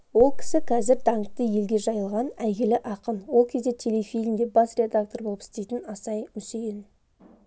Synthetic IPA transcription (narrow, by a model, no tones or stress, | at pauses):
wo̞lˠkʲʰɪ̥sɪqʰɑzɪɾd̪ɑɴt̪ːəje̞lɡʲe̞ʒɑjəlˠʁɑnæjʲelɪʔɑqənwo̞lˠkʲʰe̞zd̪et̪ʲʰe̞lʲe̞fijlʲmd̪e̞bɑsrʲe̞d̪ak̚t̪o̞rbo̞lˠəpɪst̪e̞jt̪ɪnɑsɑjmʏsejɪn